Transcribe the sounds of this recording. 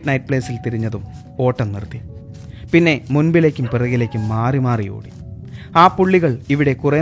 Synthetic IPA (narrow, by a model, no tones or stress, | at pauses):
tnɐjʈ̚pɭeːsilt̪iɾiɲːɐðum | o̞ːʈːɐmnirt̪ːi | pinːe̞munbile̞ːkʲːumpirɐɣile̞ːkʲːumːaːrimaːrijo̰ːɽi | aːpːuɭːiɣɐɭiʋiɽe̞kure